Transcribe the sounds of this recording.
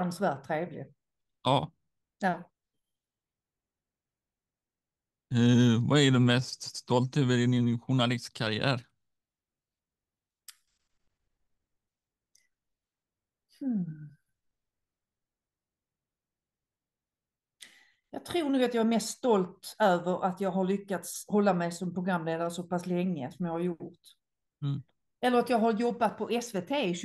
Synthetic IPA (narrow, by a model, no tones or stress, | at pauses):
nsvæːʈtt̪ʰːɾeːvlɪ̰ | ɑː | jɑː | vaɛɖɛmɛst̪st̪ɔlt̪œvɪd̪ɪnɪnɧʊɳalɪst̪kʰaɾɪæ̰ːɾ | h̩ | jɑːɡt̪ʰɾuːɳuːɡat̪jɑːɡæɾmɛst̪st̪ɔlt̪øːvəɾʔat̪jɑːɡɦaɭʏkːat̪shɔlːamɛjsɔmpʰɾʊɡɾamːleːd̪aɾəsɔpaslɛŋːəsɔmjɑːhaɾjʊɾt̪ː | ɛlːəɾat̪jɑːɡɦaɾjɔbːat̪̚pʰɔʔɛsveːt̪ʰeːɪɕ